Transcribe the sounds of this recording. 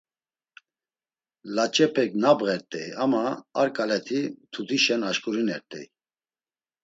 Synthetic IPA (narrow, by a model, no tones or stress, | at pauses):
lat͡ʃʼɛpʰɛknabɣɛɾt̪ʼɛjamaːɾkʼalɛt̪ʰit̪ʰud̪iʃɛnaʃkʼuɾinɛɾt̪ʼɛ̰j